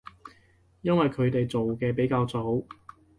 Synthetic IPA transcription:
jɐ˥nwɐ˨jkʰɵ˨˧ɥt̪e˨jt͡so˨wkɛː˧pe˨˥jkaː˧wt͡so˨˥w

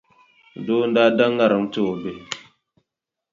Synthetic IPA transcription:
do˦nda˦da˦ŋɡa˦˨ɾə˨ŋtə˦o˨be˨

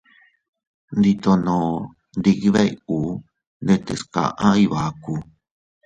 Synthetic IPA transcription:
nd̪i˧t̪o˧nõ˨ | nd̪i˧ki˧βe˦i˧uː˨˦ | nd̪e˦˧t̪ḛ˧ska̰˨˧˨ʔã˦i˧βa˨˦˧ku˧

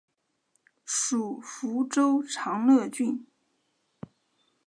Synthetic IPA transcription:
ʂu˨˩fu˧˥ʈ͡ʂo˥ʊʈ͡ʂʰɑ˧˥ŋlɤ˥˧t͡ɕy˥˩n

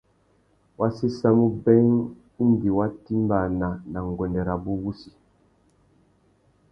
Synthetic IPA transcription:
wʔa˦si˦sa˦mu˦bɛ˦ŋ˦ | n˦di˨wa˦ti˦mba˨na˨na˨ŋ˨ɡɔ˨ndɛ˨ɾa˨bu˦wu˦si̥˨

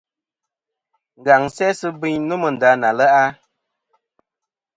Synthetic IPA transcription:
ŋ̩˨ɡa˨ŋsɛ˦sə˦bi˦ɲnu˦mə˨n̩˨da˨˦na˨lə˦ʔa˦

